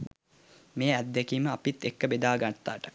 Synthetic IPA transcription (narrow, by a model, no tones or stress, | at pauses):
mejæd̪ːekiːməapit̪ːekːəbed̪aːɡat̪ːa̰ːʈə̥